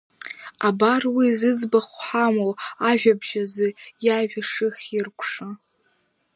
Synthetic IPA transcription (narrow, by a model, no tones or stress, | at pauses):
abarwizɨd͡zbaχʷħamowaʒᶣabʒazɨjaʒᶣaʂɨχʲɪrkʷʰʂa